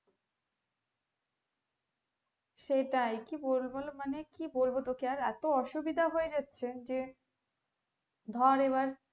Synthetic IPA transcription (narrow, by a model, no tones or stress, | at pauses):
ʃeʈajkibolbolmanekibolbot̪okiaɾɛt̪oɔʃubid̪ʱaɦoed͡ʑatːɕʰend͡ʑe | d̪ʱɔɾeβaɾ